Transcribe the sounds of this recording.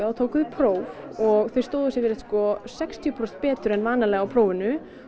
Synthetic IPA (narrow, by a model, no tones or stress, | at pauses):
awt̪ʰoːwkʏðɪpʰɾowvɔɣθej̥st̪oːwðʏsɪvɪɾɪt̪skɔsɛkst̪ʰjɔpʰɾɔ̥t̪pɛːt̪ʏɾɛnvaːnalɛːɣawpʰɾoːwvɪnʏ